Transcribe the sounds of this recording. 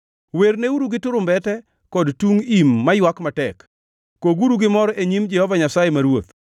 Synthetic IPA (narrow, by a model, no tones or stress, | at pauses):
werneuɾuɡɪtʊɾʊmbɛtɛ | kɔdtuŋimːajwakmatɛkː | oɡuɾuɡɪmɔɾɔʔeɲimd͡ʒɛhɔvaɲasajemaɾwot̪